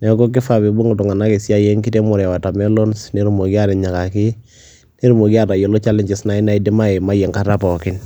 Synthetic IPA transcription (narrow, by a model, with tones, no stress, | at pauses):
nɛ˨˦ko˦k̬ɪ˦fa˨bi˨bu˦ŋu˨tʊ˨ŋa˨na˦ki˨sja˦je˦ŋki˦te˦mʊ˨ɾɛ˨wa˨ta˨mɛ˦lo˦nsne˦ɾu˨mo˨ki˦a˦ɾɛ˨ɲa˨ka˨ki˦ | ne˦ɾu˦mo˨ki˦a˦˨ta˨jo˨lo˦t͡ʃa˦lɪ˦ɲt͡ʃɪ˨sna˦i˦na˦i˨di˦ma˦e˨ma˦jɛ˨ŋka˦ta˦pɔ˨kɪ˦n